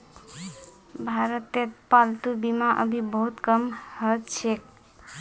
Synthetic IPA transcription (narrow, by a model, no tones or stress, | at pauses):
bʱaɾət̪et̪palt̪ubimaʔə̰bʱibəɦut̪kəmhət͡ʃʰek̚